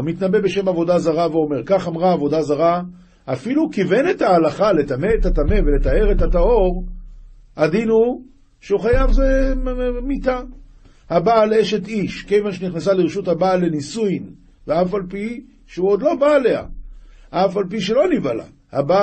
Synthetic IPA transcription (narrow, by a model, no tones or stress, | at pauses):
amit̪nabe̞be̞ʃe̞mavo̞d̪azaʁaveo̞me̞ʁkaχamʁaːvo̞d̪azaʁa | afilukivenet̪haːlaχale̞t̪ameet̪at̪amevele̞t̪ae̞ʁet̪at̪ao̞ʁ | ad̪inu | ʃeuχajavze | mit̪a | habaleʃe̞t̪iʃke̞jvanʃeniχnasaliʁʃut̪habalːenisujn | veafalpi | ʃeuod̪lo̞baːle̞a̰ʔafalp̬iʃ̬elo̞nivala̰ | haba